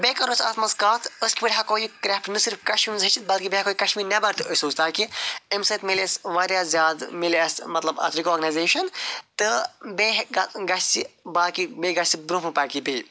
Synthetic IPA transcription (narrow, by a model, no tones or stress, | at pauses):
beːkɐɾoːt͡ʃɐ̰t̪ʰmɐskaːt̪ʰəskʲipiɽʲɦakoːikɾɛːpʈnɨsiɾfkɐʃmiːmzɦɐt͡ʃʰit̪̚bɐlkibeɦakoːikɐʃmiːɾnɐbɐɾt̪ʰəsoːzt̪aːkiemsɐt̪milesʋaːɾjaːzʲjaːd̪mileːsmɐt̪lɐbɐ̰t̪ʰɾikoːɾɡɐnaːjzeːʃɐnt̪ɨbeɦɡɐɡɐst͡sibaːkibeɡɐsʲibɾumɨpaːkibeː